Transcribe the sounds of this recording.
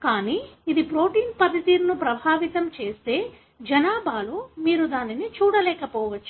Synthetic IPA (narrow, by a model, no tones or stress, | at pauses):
kaːniːid̪ipɾo̞ːʈiːnpɐd̪it̪iːɾnupɾɐbʱaːʋit̪ɐmt͡ʃe̞ːst̪e̞ː | d͡ʒɐnaːbʱaːloːmiːɾud̪aːninit͡ʃuːɽɐlɛːkɐpɔːʋɐt͡ʃːu̥